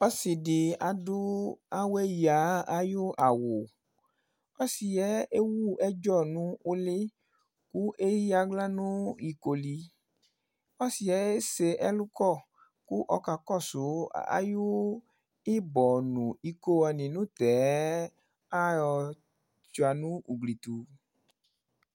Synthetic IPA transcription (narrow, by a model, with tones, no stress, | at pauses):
ɔ˦si˨di˨a˨du˦a˦we˦ja˨˦a˦ju˦a˨wo˨ | ɔ˦si˨jɛ˨˦e˦wu˦ɛ˦d͡ʒɔ˦˨nũ˨˦o˦le˦ | ku˦ʔe˦ji˦a˧ɡ͡bla˦nũ˦i˧ko˧li˧ | ɔ˦si˨ɛ˨˦e˦se˧ʔɛ˦lu˦kɔ˦˨ | ku˦ʔɔ˧ka˧kɔ˦˨so˨˦a̰˦jo˦ | i˦bɔ˨nũ˨i˧ko˧ɔ˧nĩ˨nũ˨˦tɛ˨˦ | a˦ɔ˧ | t͡ʃu˨˧a˧nũ˦u˨ɡli˨tu˨